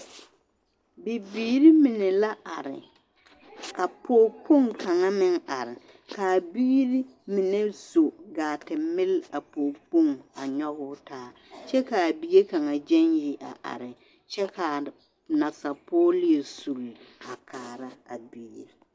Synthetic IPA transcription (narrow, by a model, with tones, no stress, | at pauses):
bi˨biː˦ɾi˦mɪ˨ne˨la˦ʔa˨ɾɪ̰˨ | ka˨pʰoː˦po˦˨ŋkʰa˨ŋa˦mɪ˦ŋa˨ɾɪ˨ | ka˨biː˦ɾi˦mɪ˨ne˦so˨ɡaː˨tɪ˨mɪ˦la˨poː˨po˦˨ŋa˨ɲɔ˦ɣʊ˦taː˦ | t͡ʃɛ˦ka˨a˨bi˨ɡe˦ka˨ŋa˨d͡ʒɛ˦njɪ˦ʔa̰˨ʔa̰˨ɾɪ˨ | t͡ʃɛ˦ka˨ | na˨sa˨poː˦li˦˨su˨la˨kʰaː˨ɾa˦a̰˨biː˨ɾḛ˨